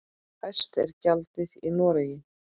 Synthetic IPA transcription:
θɛst̪ɛ̰ɾcalt̪ɪðinɔːɾajɪ

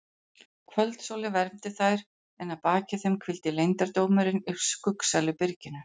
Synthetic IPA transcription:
kʰvœlt̪soːlɪvɛɾmt̪ɪθajɾ | ɛnaðpaːcɪθɛmkʰvɪlt̪ɪlejnt̪aɾt̪oːwmʏɾɪnʏskʏksalʏpɪɾcɪnʏ

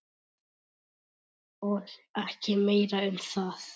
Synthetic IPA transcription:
ɔlɛhcɪmeːjɾaʏmθaːθ

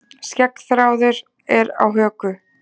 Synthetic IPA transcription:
scɛkθɾaːwðʏɾ | ɛɾa̰wɦœːkʏ

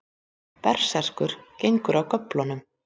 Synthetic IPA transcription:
pɛr̥sar̥kʏɾ̥cejŋkʏɾawkœplɔnʏm

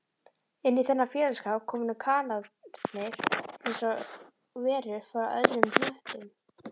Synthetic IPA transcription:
ɪnːiθɛnːafjɛːlaskawkʰɔːmnʏkʰaːlanɪɾ̥ɛnsɔ | vɛːɾʏfaɾaœ̰ðɾʏmplɛht̪ɪm

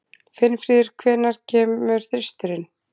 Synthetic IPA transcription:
fɪnːfɾiːðɪɾ̥kʰvɛːnaɾ̥cʰɛːmʏɾ̥θɪst̪ʏɾɪn

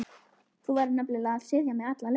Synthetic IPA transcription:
θuvaːɾnaplɪlaað̥sɪðjamɛðat̪lal

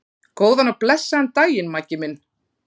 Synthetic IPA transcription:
koːwðanaplɛsːaɛnt̪aːjɪnmacɪmɪnː

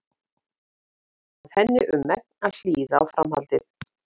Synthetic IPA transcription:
aðhɛnːɪʔʏmːɛk̚naðl̥iːðaːwfɾamha̰lt̪ɪθ

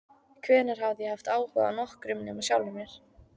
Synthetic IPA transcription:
kʰvɛːnaɾ̥ɦavðɪjɛhaft̪aːwhva̰ða̰nɔhkɾʏmnɪmasjawlʏmjɛɾ̥

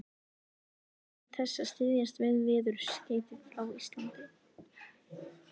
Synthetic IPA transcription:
θɛsːast̪ɪðjast̪vɪðvɪːðʏɾ̥sceːjt̪ɪðawist̪lant̪ɪ

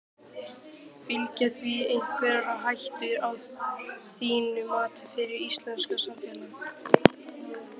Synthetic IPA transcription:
fɪlcaθviejn̥kʰvɛːɾɾaɦajht̪ɪɾaw | θiːnʏmaːt̪ʏfɪɾɪɾist̪lɛnskasamfɛla

